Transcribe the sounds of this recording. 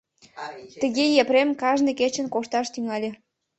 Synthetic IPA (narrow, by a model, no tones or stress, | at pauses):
t̪ə̆ɣejepɾemkɑʒneket͡ɕə̆nkoʃt̪ɑʃt̪yŋɑlʲĕ